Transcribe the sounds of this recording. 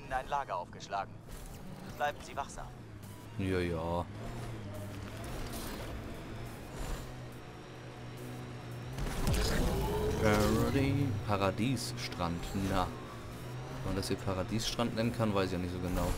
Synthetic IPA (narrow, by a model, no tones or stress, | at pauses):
naɪnlaːɡɐʔaʊfɡ̥əʃlaːɡŋ̩ | b̥laɪbm̩ziːvaχz̥a̰ːm | jaːjaː | ʔɛʁʁipʰaʁadiːsʃtʁ̥antna | vɛmandasiːpʰaʁadiːsʃtʁ̥antnɛnənkʰanvaɪsɪçjaːnɪçtz̥oːɡənaʊ